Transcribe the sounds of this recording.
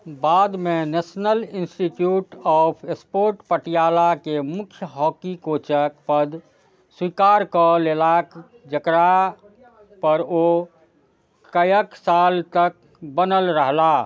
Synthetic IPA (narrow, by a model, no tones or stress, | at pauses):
baːd̪mẽneːsnəlɪnsʈiʈjuːʈɔːpʰespoːɾʈpəʈijaːlakemʊkʰjəɦɔːkikoːt͡ʃək̚pəd̪ | swiːkaːɾkəleːlak | d͡ʒəkɾa | pəɾo | kəjəksaːlt̪ək̚ | bənəlɾəɦlaː